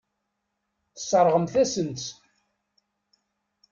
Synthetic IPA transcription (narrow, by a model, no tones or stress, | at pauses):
θəsˤːəɾˤʁəmθæsənt͡s̪